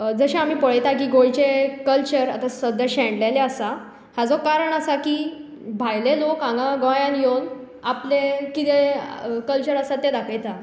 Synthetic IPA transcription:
d͡zəɕaam̤iːpəɭəjt̪akiːɡojt͡ɕekəlt͡ɕəɾa̰t̪asəd̪ʱjaɕɛ̃ɳɖlajleasa | had͡zɔkaɾəɳəsakiː | bʱajlelokãŋɡãɡɔ̃jãnjon | aplekit̪ekəlt͡ɕəɾəsat̪ːed̪akʰəjt̪a

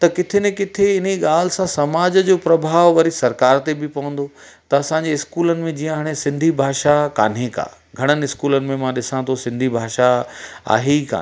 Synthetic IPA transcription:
t̪ɐkɪt̪ʰenekɪt̪ʰeɪn̤eɠaːl̤ɪsãsɐmaːd͡ʑd͡ʑoːpɾɐbʱaːʋʋɐɾisɐɾkaːɾt̪ebɪpɐʋə̃nd̪o | t̪ɐɐsãɲd͡ʑeɪskuːlənɪ̆mẽd͡ʑiːə̃ɦaːɽ̃esɪ̃nd̪ʱibʱaːʃaka̰ːn̤eːka̰ː | ɡʱɐɽ̃ənɪ̆ɪskuːlənɪ̆mẽmãɗɪsãt̪ʰosɪ̃nd̪ʱibʱaːʃaa̰ːɦeka̰ː

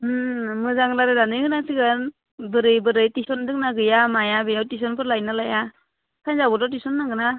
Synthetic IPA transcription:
ɯmɯzaŋlaɾɯdanɯjɡɯnasiɡɯn | bɯɾɯjbɯɾɯjtisɔndɯŋnaɡɯjamajabɯjawtis̬ɔnpʰɯɾlajnalaja | kʰajnzabɔtatisɔnːaɡɯna

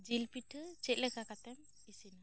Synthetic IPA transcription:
d͡ʒilpiʈʰɯt͡ʃɛt̪̚lɛkakat̪ɛm | isina

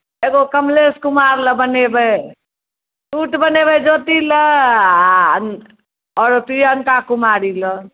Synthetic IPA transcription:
eɡokəmleskumaɾləbənebə | tuʈbənebəd͡ʒot̪ilə | ɔːɾpijənkakumaɾilə

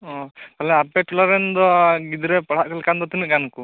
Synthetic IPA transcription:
ɔkalɛapɛʈulaɾɛnd̪ɔɡid̪ɾɛpaɽ̤aʔ̚kalkand̪ɔt̪inɛʔɡanku

